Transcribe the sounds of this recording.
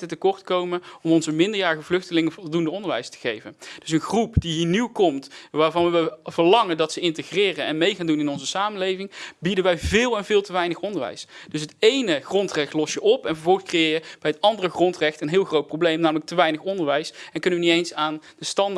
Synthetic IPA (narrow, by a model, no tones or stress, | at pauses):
tətəkɔɹtkowmənɔmɔnzəmɪndəɹjaːrəɣəvlɵxtəlɪŋəvɔlˠdundəɔndəɹʋɛ̰jstə̥ɣejvənd̥ɵsənxrupdiɦiːniwkɔmtʋaːɹvɑnʋəv̥əɹlɑŋəndɑtsəɪntəxrɪːrənɛnmejχaːndunɪnɔnzəsaːmənlejvɪŋbidənʋɛjvɪːlˠɛnvɪːlˠtəʋɛjnəxɔndəɹʋɛ̰jsd̥ɵsɦətejnəχrɔntrɛxtlɔsjəʔɔpɛnvəɹvɔlˠxəskrejɪːɹjəb̥ɛjɦətɑndərəxrɔntrɛxtənɦɪːlˠxrowt̚prowblejmnaːmlək̚təʋɛjnəχɔndəɹʋɛjsɛnkɵnəʋənitejnsaːndəstɑn